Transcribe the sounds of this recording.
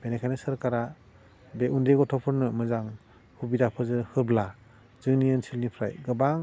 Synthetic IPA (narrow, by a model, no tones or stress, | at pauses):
b̥enekʰajnɯsɯɾkaɾa | beʔundeɡɔtʰɔpʰɯɾnɯmɯzaŋ | hubidapʰɯzɯhɯbla | zɯŋnijɯnsilnipʰɾajɡɯbaŋ